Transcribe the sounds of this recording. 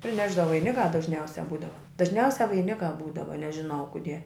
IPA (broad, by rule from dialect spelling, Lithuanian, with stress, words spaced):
pʲrʲɪˈnʲæːʒdɐ ʋɐɪˈnʲɪkɑː dɐʒʲˈnʲɛʊsʲɛ ˈbuːdɐʋɐ dɐʒʲˈnʲɛʊsʲɛ ʋɐɪˈnʲɪkɑː ˈbuːdɐʋɐ nʲɛʒʲɪˈnɐʊ ˈkʊdʲiɛ